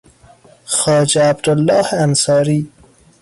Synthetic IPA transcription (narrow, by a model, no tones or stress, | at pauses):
xɑːd͡ʒɛabd̪ʊlːɑːhansɑːɾiː